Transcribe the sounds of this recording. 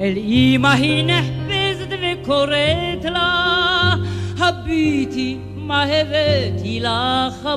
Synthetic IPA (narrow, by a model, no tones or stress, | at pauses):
elimaɦinɛhbezd̪ʋekʰoɾet̪ʰla | hɐbit̪ʰi | maɦeʋet̪ʰilaxɐ